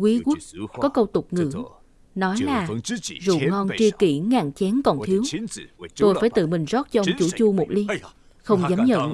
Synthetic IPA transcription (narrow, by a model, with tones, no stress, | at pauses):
kwi˨˦ɣu˦˥t̚kɔ˨˦kə˧wt̪ʊ˨˩k͡p̚ŋɨ̰˧˩˥ | nɔ˨˦jlaː˨˩zṵ˧˨ŋɔ˧nt͡ɕi˧əkḭ˧˩ŋaː˧˨˩ŋt͡ɕɛ˨˦nkɔ˨˩nt̪ʰi˨˦əwt̪o˧jfaː˧˩jt̪ɨ̰˧˨mï˨˩ŋ̟zɔ˦˥t̚t͡ɕɔ˧ʔə˧˦wŋ͡mt͡ɕu˧˩t͡ɕu˧mo˨˩t̚li˧ | xə˧wŋ͡mzaː˨˦mɲə̰˧˨n